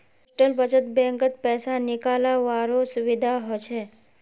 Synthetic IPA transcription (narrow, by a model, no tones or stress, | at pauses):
ʈəlbət͡ʃət̪̚bɛ̃ŋkət̪̚pɛːsanɪkalaʋaɾosʊʋɪd̪ʱaɦot͡ʃʰe